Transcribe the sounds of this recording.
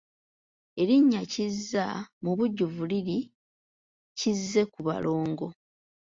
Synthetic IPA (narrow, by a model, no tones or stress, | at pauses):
e̞ɾiɲːacizːamuβuɟːuvuliɾi | cizːe̞kuβa̰lo̞ːŋɡo̞